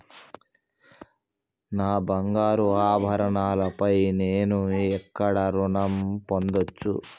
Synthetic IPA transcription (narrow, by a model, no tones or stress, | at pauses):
naːbɐŋɡaːɾuaːbʱɐɾɐɳaːlɐpɐjneːnuɛkːɐɽɐɾuɳɐmpo̞nd̪ot͡ʃːṵ